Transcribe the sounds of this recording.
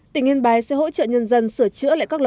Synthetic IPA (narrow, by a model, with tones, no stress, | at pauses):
t̪ï˧˩ŋi˧nɓaː˨˩jsɛ̰˧˥ɦo̰˧˥t͡ɕə̰ː˧˨ɲə˧nzə˧nsɨ˧˩ət͡ɕɨ̰˧˥əla̰ː˧˨ka˦˥k̚l